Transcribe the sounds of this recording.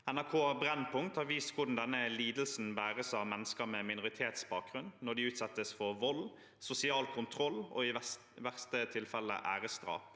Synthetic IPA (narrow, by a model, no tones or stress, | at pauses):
ɛnæʁkʰoːæbɾɛnːpʰʊŋt̪hɑʋiːskʰʊd̪ɳ̩d̪ɛnːəliːd̪lsn̩bæːɾəsɑʋmɛnːəskəmɛmɪnʊʁɪt̪ʰeːt̪sbɑːk̚ɡʁʉnnɔɖ̪ɪʉːt̪sɛt̪ːəsfɔʋɔl | sʊsɪɑːlkʰʊnt̪ʰɾɔlːɔ̰ɪ | ʋæʁst̪ət̪ʰɪlfɛlːə̰ʔæːɾəst̪ɾɑ̰ːp